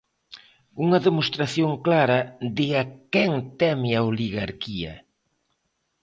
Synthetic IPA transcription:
uŋɐðemost̪ɾaθjoŋklaɾɐd̪ɪakɛŋt̪ɛmɪɐoliɣaɾkiɐ̰

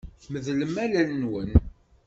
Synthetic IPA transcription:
θməðləmælælnwən

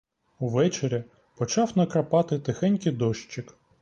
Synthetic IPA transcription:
uʋɛt͡ʃeɾʲɐ | pɔt͡ʃɑwnɐkɾɐpɑt̪ɪt̪ɪxɛnʲkɪd̪ɔʃt͡ʃɪk

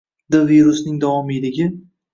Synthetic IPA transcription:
d̪aviɾʊsnɪŋd̪avɒmɪjlɪɡʲɪ

